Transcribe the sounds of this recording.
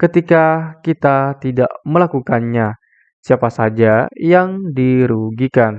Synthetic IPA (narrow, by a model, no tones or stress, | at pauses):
kət̪ikakit̪at̪idaʔməlakukanɲa | siapasad͡ʒajaŋdiɾuɡikan